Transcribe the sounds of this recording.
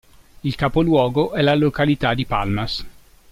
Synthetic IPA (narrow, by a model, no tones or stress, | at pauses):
ilkapolwɔːɡoʔɛlalokalit̪ad̪ipalmas